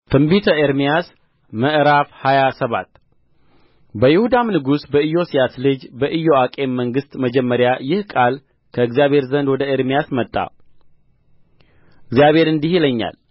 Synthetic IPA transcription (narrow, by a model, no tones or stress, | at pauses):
t̪ʰɨmbit̪ʰəeɾmijas | məʔɾafhajasəβa̰t̪ː | bəjɪhud̪amnɨɡusbəɨjo̞sijaslɨd͡ʒbəʔɨjo̞akʼe̞mːəŋɡɨst̪məd͡ʒɛmːəɾjajɪhkʼal | kʰəɨɡzijaβhe̞ɾzənd̪wɔd̪əeɾmijasmət̪ʼːa̰ | ɨɡzijaβʱe̞ɾɨnd̪ihiləɲːa̰l